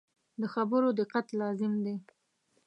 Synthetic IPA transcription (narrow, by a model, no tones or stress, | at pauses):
d̪əxabəɾod̪ɪqat̪lɑzɪmd̪e